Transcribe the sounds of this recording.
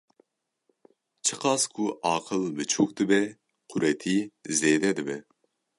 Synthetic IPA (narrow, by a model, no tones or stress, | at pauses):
t͡ʃʰəqʰɑskʰuʔɑːqʰəlˠbɨt͡ʃʰuk̚d̪ɨbɛ | qʰuɾɛt̪ʰizɛd̪ɛd̪ɪbɛ